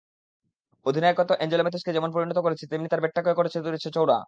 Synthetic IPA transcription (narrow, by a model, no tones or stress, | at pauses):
od̪ʱinaekɔt̪oʔɛnd͡ʑelomet̪ʰeʃked͡ʑɛmonpoɾinɔt̪okoɾet͡ɕʰet̪emnit̪aɾbeʈːakoekoɾet͡ɕʰet̪uɾet͡ɕʰet͡ɕowɽa̰